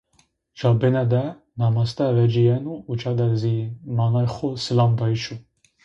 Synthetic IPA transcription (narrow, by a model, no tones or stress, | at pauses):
d͡ʒɑbenɛd̪ɛ | nɑmɑst̪ɛvɛd͡ʒijɛnuːt͡ʃʰɑd̪ɛzimɑnɑjxosɨlɑmd̪ɑjit͡ʃʰu